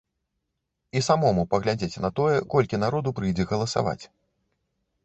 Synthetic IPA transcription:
isamɔmupɐɣlʲad͡zʲet͡sʲnɐt̪ɔjɛkɔlʲkʲin̪aɾɔd̪upɾɨjd͡zʲɛɣɐlˠɐsa̰va̰t͡sʲ

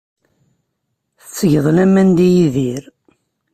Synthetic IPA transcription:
θət͡sːʝəðˤlæmænd̪ijiðiɾ

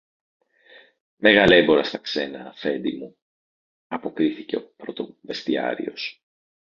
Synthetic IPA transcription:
me̞ɣɐle̞bo̞ɾɐst̪ɐkse̞nɐfe̞nd̪imu | ɐpo̞kɾiθice̞opɾot̪ove̞st̪iɐ̰ɾḭo̞s

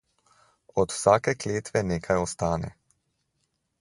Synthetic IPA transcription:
ɔt̪w̥saːkɛkleːt̪ʋɛneːkʰajɔst̪aːnɛ̰

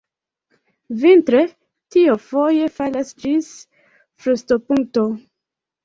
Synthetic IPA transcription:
vintɾe | tiofoje̞falasd͡ʒis | fɾustopuŋk̚to

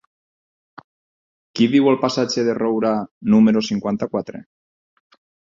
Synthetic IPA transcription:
kiβiwalˠpasad͡ʒeðerowɾanumeɾosiŋkwant̪akwat̪ɾḛ

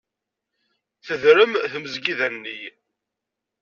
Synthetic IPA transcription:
θəðɾəmθəməzɡiðænːij

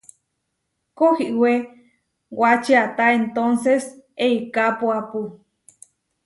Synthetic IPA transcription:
kohiʔwe | wat͡ʃiat̪aent̪onseseikapoapu

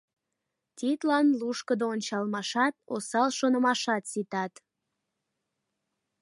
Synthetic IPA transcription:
t̪ʲit̪lɑnluʃkəd̪oonʲt͡ɕɑlmɑʃɑt̪̚o̰sɑlʃonəmɑʃɑt̪sit̪ɑt̪

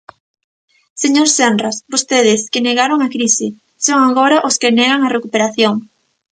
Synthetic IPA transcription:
seɲoɾsenrasbost̪eðɪskɪneɣaɾoŋakɾisɪ | soŋaɣoɾaʔoskɪnɛɣaŋarekupeɾaθjoŋ

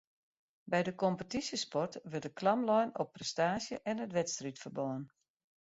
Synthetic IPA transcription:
bɛjdəkɔmpətisjəspɔrtʋɵrtdəklamlɔjnɔpːrɛstaːsjəʔɛnətʋɛtstritfərbɔːən

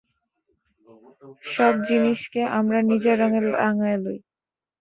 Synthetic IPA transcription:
ʃɔb̚d͡ʑiniʃkeʔamɾanid͡ʑaɾɔŋelaŋaeloj

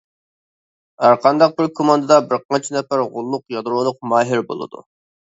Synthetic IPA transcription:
æɾqʰɑnd̪ɑq̚bɪɾkʰomɑnd̪ɨd̪ɑbɪɾqʰɑnt͡ʃʰinɛpæɾʁʊlˠːʊqjɑd̪ɾolˠʊq̚mɑːɦɪɾbo̰lˠɨ̰d̪ṵ

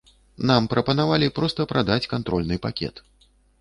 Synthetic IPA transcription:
nampɾʔɐpɐnavalʲipɾɔst̪ɐpɾʔad̪at͡sʲkant̪ɾɔlʲnɨpakʲɛ̰t̪

